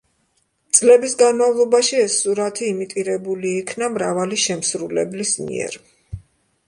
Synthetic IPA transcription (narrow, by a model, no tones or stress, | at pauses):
t̪sʼlɛbisɡanmavlˠɔbaʃiɛsuɾat̪ʰiːmit̪ʼiɾɛbuliːkʰnamɾavaliʃɛmsɾulɛ̰blismḭɛ̰ɾ